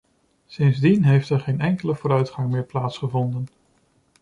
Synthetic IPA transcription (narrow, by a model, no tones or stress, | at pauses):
sɪnzdinɦejftɛɹχejnɛŋkələvʊːɾœɥtχɑŋmɪːɹplaːtsχəvɔndən